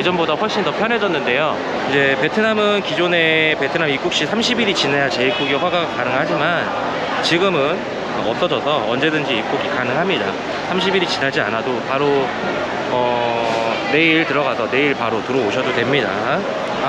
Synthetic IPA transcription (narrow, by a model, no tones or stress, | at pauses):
id͡ʑʌnbodaɸwʌɭɕ͈indʌpʰjʌned͡ʑʌnːɯnde̞jo | ind͡ʑe̞pe̞tʰɯnamɯnkid͡ʑone̞pe̞tʰɯnamik͈ukɕ͈isʰamɕʰibiɾit͡ɕinejat͡ɕe̞ik͈uɡiɸwaɡaɡakanɯŋɦad͡ʑiman | t͡ɕiɡɯmɯn | aʌs͈ʌd͡ʑʌsʰʌʌnd͡ʑe̞dɯnd͡ʑiik͈uɡikanɯŋɦamɲida̰ | sʰamɕʰibiɾit͡ɕinad͡ʑia̰nadopaɾo | ʌ | ne̞iɭtɯɾʌɣasʰʌne̞iɭpaɾotɯɾʌoɕʰʌdotwe̞mɲida̰